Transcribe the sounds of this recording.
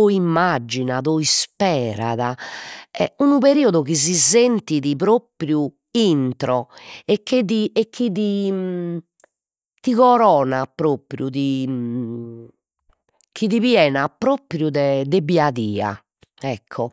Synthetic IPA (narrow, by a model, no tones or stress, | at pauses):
oimːad͡ʒːinaðɔispɛːɾa̰ðaɛ̰unuβeɾiːɔðuɣizizent̪iðiβɾopɾju | int̪ɾɔɛk̟ːeðiekʰːiði | t̪iɣɔɾɔːnapɾopɾjuði | k̟ʰiðiβjɛːnapɾopɾjuðɛd̪ebiaðiːa̰ | ɛkʰːɔ